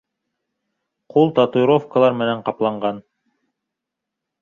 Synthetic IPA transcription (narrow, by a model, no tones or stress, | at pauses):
qʰulˠt̪ɑt̪ujɾofkəlˠɑɾmɘ̆næɴqɑplˠɑɴɢʁɑn